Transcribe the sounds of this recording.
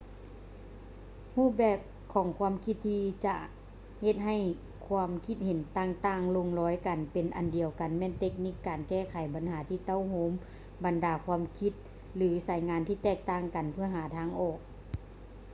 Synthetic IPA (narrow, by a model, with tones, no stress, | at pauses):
huː˥˩p̚bɛː˧˩kʰːɔː˨˦ŋkʰwu˧˥˨mkʰi˧˥t̪ʰːiː˧t͡ɕa̰˧ | he˧t̪̚ɦa˧˩j | kʰwaː˧mkʰi˧˦t̪̚he˨˦nt̪aː˧˩ŋt̪aː˧˩ŋlo˧ŋlɔː˨˦jka˨˩npe˨nʔa˨ndi˨˩əwka˨nmɛː˧˥˨nt̪e˧˥k̚ni˧˥kːaː˨nkɛː˧˩kʰa˨˦jba˨˦nhaː˩˦t̪ʰiː˧˩t̪a˧˥˨whoː˧˦m | ba˨ndaː˨˩kʰwaː˧˥˨mkʰi˧t̪̚ | lɯː˩˦sa˨˦jŋaː˧˦nt̪ʰiː˧˩t̪ɛː˧˩k̚t̪aː˧˥˩ŋka˨˩npʰɯ˧˥˩ɐɦaː˨˦t̪ʰaː˧˥ŋʔɔː˧˩k̚